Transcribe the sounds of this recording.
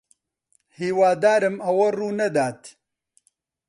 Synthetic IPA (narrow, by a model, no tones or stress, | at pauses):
hiːwaːd̪aːɾɨmɐwɐruːnɐd̪aːt̪